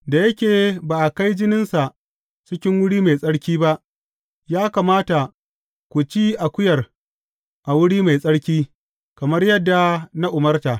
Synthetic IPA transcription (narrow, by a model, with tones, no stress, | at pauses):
da˨jɐ˦kʲeː˨baː˨ʔa˨ka˦jd͡ʒɪ˦nɪ˦nsa˨ʔ | t͡ʃɪ˦kʲɪ˦ŋwʊ˦ɽiː˦ma˨jsʼɐ˦ɽkʲiː˦ba˦ʔ | jaː˦ka˨maː˦ta˨ | kʷu˨t͡ʃiː˦ʔa˨kʷʊ˦jɐ˨r | ʔa˨wʊ˦ɽiː˦ma˨jsʼɐ˦ɽkʲiː˦ | kɐ˨mɐ˦rjɐ˦dːa˨na˦ʔʊ˨mɐ˦rta˨